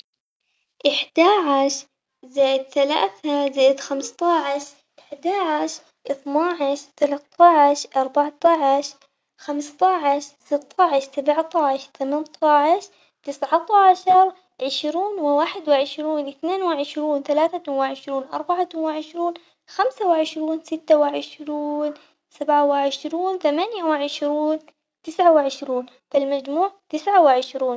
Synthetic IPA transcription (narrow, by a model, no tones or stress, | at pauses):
ʔɪħd̪aːʕaʃ | zaːjɪd̪θala̰ːθazaːjd̪xamst̪ˤɑʕɪʃ | ʔɪħd̪aːʕaʃ | ʔɪθnɑːʕɪʃt̪alat̪ˤʰːɑʕʃʔɑɾˤbɑʕt̪ˤɑʕɪʃ | xamst̪ˤɑʕɪʃsɪt̪ˤʰːɑʕɪʃsabʕt̪ˤɑʕɪʃt̪amant̪ˤʰɑʕɪʃ | t̪ɪsʕat̪ˤɑʕʃɑɾˤ | ʕɪʃɾuːnwɪwaːħɪd̪wɪʕɪʃɾuːnʔɪθneːnwɪʕɪʃɾuːnθalaːθawɪʕɪʃɾuːnʔɑ̰ɾˤbaʕawɪʕɪʃɾuːn | xamsawɪʕɪʃɾuːnsɪt̪ːawɪʕɪʃɾuːn | sabʕawɪʕɪʃɾuːnθamanjawɪʕɪʃɾuːn | t̪ɪsʕawɪʕɪʃɾuːn | fɪlmad͡ʒmuːʕt̪ɪsʕawɪʕɪʃɾuːn